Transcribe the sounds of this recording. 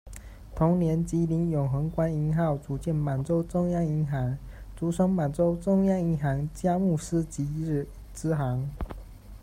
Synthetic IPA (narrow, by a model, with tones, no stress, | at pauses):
t̪ʰʊ˧˥ŋnjɛ˧˥nt͡ɕi˧˥li˧˥njʊ˨˩ŋxɤ˧˥ŋkwa˥ni˧˥ŋxɑ˥˩ʊt͡su˨˦t͡ɕjɛ˥˩nma˨˩nt͡so˥ʊt͡sʊ˥˧ŋjɑ˥˧ŋi˧˥ŋxɑ˧˥ŋt͡su˧˥ʂɤ˥ŋma˨˩nʈ͡ʂo˥ʊt͡sʊ˥˧ŋjɑ˥˧ŋi˧˥nxɑ˧˥ŋt͡ɕja˥mu˥˧ʂ̩˥t͡ɕi˧˥˩ | t͡sɹ̩˥xɑ˧˦˥ŋ